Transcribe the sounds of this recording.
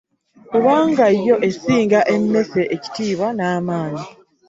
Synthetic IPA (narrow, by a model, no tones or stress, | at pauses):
kuβaːŋɡajːo̞ʔe̞siːŋɡaʔe̞mːe̞seʔeci̥tiːβwanaːmaːɲi